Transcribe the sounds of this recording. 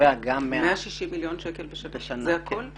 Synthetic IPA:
eaɡamːeamaʃiʃimːiljo̞nʃekelbeʃaneʃanzeakʰol

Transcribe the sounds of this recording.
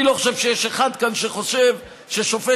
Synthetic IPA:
iloχoʃe̞vʃejeʃeχad̪kanʃeχo̞ʃev | ʃeʃofe

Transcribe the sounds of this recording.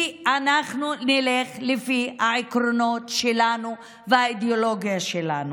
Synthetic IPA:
ianaχnunileχlifihaikʁono̞tʃelanu | veaid̪eolo̞ɡijaʃela̰nu

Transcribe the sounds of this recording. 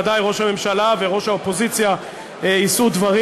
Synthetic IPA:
d̪ajʁo̞ʃhame̞mʃalaveʁo̞ʃhaopo̞zit͡sja | eisud̪vaʁi

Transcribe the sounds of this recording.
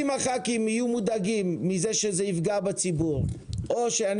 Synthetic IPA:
imaχakimijumudaɡimːizeʃezeifɡabat͡sibuʁʔoʃean

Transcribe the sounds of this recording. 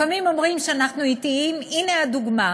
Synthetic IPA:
amimo̞mʁimʃeanaχnuit̪iiminead̪uɡma

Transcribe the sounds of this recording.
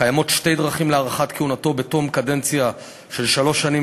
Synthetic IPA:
ajamo̞t̪ʃte̞jdʁaχimleaʁaχatkiunato̞beto̞mkadent͡sja | ʃelʃalo̞ʃani

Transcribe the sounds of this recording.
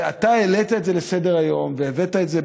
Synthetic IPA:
at̪aelet̪aetze̞lesede̞ʁajo̞mveːvet̪aetze

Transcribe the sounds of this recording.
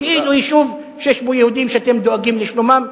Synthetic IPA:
eilujiʃuv | ʃeʃmojehud̪imʃeat̪e̞md̪oaɡimleʃlomam

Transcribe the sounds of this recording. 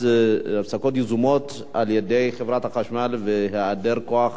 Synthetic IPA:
afsakot̪̬jezumot̪ | aljed̪ejχevɾat̪haχaʃmalveɦead̪eɾkoaχ

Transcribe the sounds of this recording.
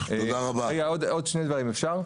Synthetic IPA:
eod̪aʁabaʁeɡaod̪od̪ʃnejd̪vaʁimefʃaʁ

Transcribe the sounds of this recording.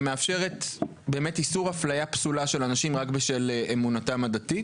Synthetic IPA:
meafʃe̞ʁet | be̞ːmetisuʁhaflajapsulaʃe̞lanaʃimʁakbeʃelʔemunatamadatit

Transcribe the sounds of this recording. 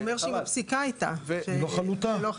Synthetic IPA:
meʁʃeimapsikait̪a̰ʃeloχalut̪alo

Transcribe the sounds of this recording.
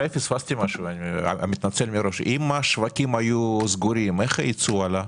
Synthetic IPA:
efisfast̪ʲimaʃuana̰mit̪nat͡selmiɾo̞ʃimaʃvakʲimajuzɡuɾimeχait͡suala

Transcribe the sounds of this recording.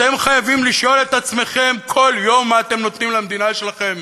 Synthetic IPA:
t̪e̞mχajavimliʃo̞le̞t̪at͡sme̞χe̞mkʰo̞ljo̞mːaːt̪e̞mno̞t̪nimlamd̪inaʃe̞laχe̞m

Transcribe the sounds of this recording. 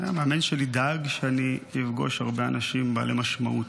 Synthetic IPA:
ameamenʃelidaɡʃeaniifɡo̞̰ʃhaʁbeanaʃimbaalemaʃmaʔut

